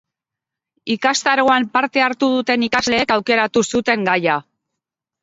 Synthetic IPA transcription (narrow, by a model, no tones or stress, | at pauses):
ikast̪aɾoampaɾt̪e̞aɾt̪uð̞ut̪e̞nikazle̞ːkawke̞ɾat̪usut̪e̞ŋɡaja